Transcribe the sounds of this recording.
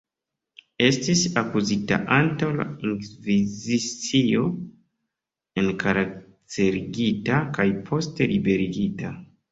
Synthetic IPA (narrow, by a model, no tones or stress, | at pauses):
e̞stisakuzita̰ʔantawla̰iŋkvizit͡sio̞ | e̞nkaɾak | te̞ɾiɡitakajpʰo̞ste̞libe̞ɾiɡita